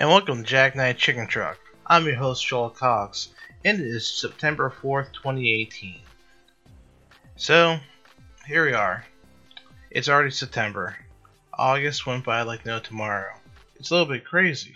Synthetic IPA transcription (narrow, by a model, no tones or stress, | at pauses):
ʔɨ̃nwɛlˠkɨ̃m̩tʰɨd͡ʒæk̚naɪt̚t͡ʃʰɪkɨ̃n̩tʰɹ̥ʌ̰k̚ | ʔã̰ɪ̃mjə˞ɦoʊsʃɔlˠəkʰɑksɨ̃ndɨɾɪz̥sɛp̚tʰɛ̃mbə˞fɔɹθtʰw̥ɛ̃ñieɪtʰĩn | soʊ | hiɹwiə˞ | ʔɨ̰tsl̩ˠɹɛɾisɛp̚tʰɛ̃mbə̰˞ | ʔɔɡɨst̚wɛ̃n̚b̥aɪlaɪk̚noʊtʰəmɑɹoʊ | ɨtsəlɪɾl̩ˠbɪt̚kʰɹ̥eɪzḭ